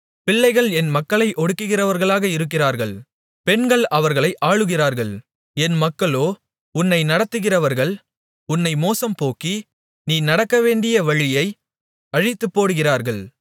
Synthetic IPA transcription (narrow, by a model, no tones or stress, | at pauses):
pɪɭːɐɪɣɐɭɛnmɐkːɐɭɐɪʔɔɽɯkːɯɣɪrɐʋɐɾɣɐɭaːɣɐɪɾɯk̬ːɪraːɾɣɐɭ | pɛnɡɐɭɐʋɐɾɣɐɭɐɪʔaːɻɯɣɪraːɾɣɐɭ | ɛnmɐkːɐɭoː | ʊnːɐɪnɐɽɐt̪ːɯɣɪrɐʋɐɾɣɐɭ | ʊnːɐɪmoːsɐmpoːkːi | niːnɐɽɐkːɐʋeːɳɖɪjɐʋɐɻɪjɐɪ | ɐɻɪt̪ːɯpːoːɽɯɣɪraːɾɣɐɭ